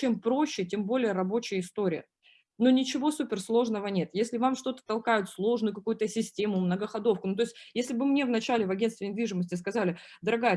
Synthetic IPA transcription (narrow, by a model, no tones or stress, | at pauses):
t͡ɕe̞mpɾo̞ɕːɪtʲe̞mbo̞lʲɪjəɾɐbo̞t͡ɕɪjəɪst̪o̞ɾʲɪjə̰ | no̞nʲɪt͡ɕɪvo̞supʲɪrslˠo̞ʐnəvənʲe̞t̪jesʲlʲɪvamʂt̪o̞t̪ə̥t̪ɐlˠkajʊt̪slˠo̞ʐnɨjʊkɐkujʊt̪əsʲɪsʲtʲe̞mʊmnəɡəxɐd̪o̞fkʊnut̪oɪsʲtʲjesʲlʲɪbɨmnʲe̞vnɐt͡ɕælʲɪvɐɡʲe̞nst̪vʲɪnʲɪd̪vʲiʐɨməsʲtʲɪs̬kɐzalʲɪ | d̪əɾɐɡajə